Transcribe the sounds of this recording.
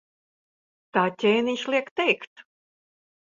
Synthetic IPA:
t̪aːt̪ʲeːnʲiʃlˠiɛkt̪ɛjkt̪

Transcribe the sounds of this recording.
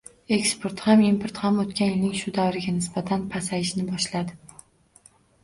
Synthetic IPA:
e̞kspʰoɾt̪hamimpʰoɾt̪hamot̪kʲanjɪlnɪŋʃʊd̪avɾɪɡʲanɪsbat̪ʰanpʰasajɪʃnɪbɒʃlad̪ɪ

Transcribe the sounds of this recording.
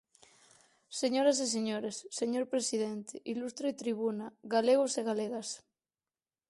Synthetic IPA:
seɲoɾas̬es̬eɲoɾesːeɲoɾpɾesiðent̪eʔilust̪ɾoit̪ɾiβ̞unaɣaleɣ̞oseɣaleɣas

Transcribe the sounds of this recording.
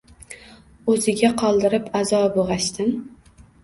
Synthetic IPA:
ɵzɪɡʲaqʰɒlˠd̪ɪɾɪpazɒboʁaʃt̪ɪm

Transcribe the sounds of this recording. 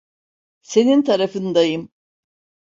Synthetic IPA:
se̞nint̪ʰaɾafɯnd̪ajɯm

